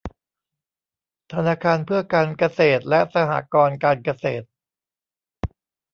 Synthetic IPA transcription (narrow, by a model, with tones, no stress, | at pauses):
t̪ʰa˧naː˧kʰaː˧npʰɯ˥˩ɐkaː˧nka˧seː˨˩t̪̚lɛ˦˥sa˧ha̰ː˨˩kɔː˧nkaː˧nka˧seː˨˩t̪̚